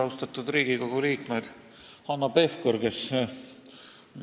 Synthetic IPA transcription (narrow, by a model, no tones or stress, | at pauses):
ɑwst̪ɑt̪ːˑud̪ɾiːɡ̥iko̞ɡ̥uliːkmed̪̥ | hɑnːɑpe̞fkoɾɡe̞s